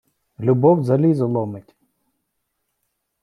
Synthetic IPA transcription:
lʲʊbɔwzɐlʲizɐlˠɔmɪtʲ

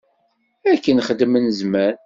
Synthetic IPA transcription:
ækːənχəd̪mənzmæɾ

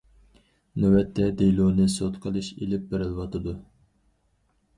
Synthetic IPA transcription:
nøwɛt̪ʰːɛd̪ejlˠunɨsot̪qʰəlˠɨʃḛlɪp̚bɪɾɪlwɑt̪ʰɨd̪u

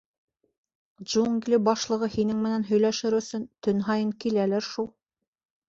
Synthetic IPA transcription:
ʒuŋɡlʲibɑʃlˠɤ̆ʁɤhinɘŋmɘ̆nænɦɵ̆jlæʃɘɾɵ̆sɵnt̪ɵnɦɑjɤŋkilælæɾʃulˠ

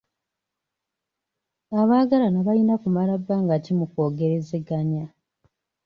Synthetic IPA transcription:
aβaːɡalanaβajinakumalabːaŋɡatimuko̞ːɡe̞ɾe̞zeɡaɲa

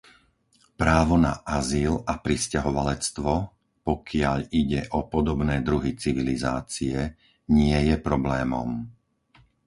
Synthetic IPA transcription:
pɾaːʋɔnaʔaziːlapɾiscaɦɔʋalɛt͡st̪ʋɔ | pɔkʰɪaʎiɟɛʔɔpɔd̪ɔbnɛːd̪ɾuɦit͡siʋilizaːt͡siɛ | ɲɪɛjɛpɾɔblɛːmɔ̰m

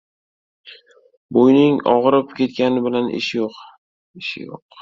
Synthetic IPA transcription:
bojnɪŋɒ̰ʁɾɪpkʲʰe̞t̪kʲanɪbɪlanʔɪ̰ʃɪjoq | ɪʃɪ̰jo̰q̚

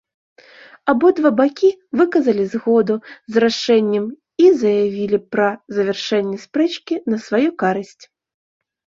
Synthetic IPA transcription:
abɔd̪vabakʲivɨkɐzɐlʲizɣɔd̪uzɾaʂɛnʲːɛm | izɐjavʲilʲipɾɐzɐvʲɛrʂɛnʲːɛspɾɛt͡ʃkʲinɐsvajukaɾɨsʲt͡sʲ

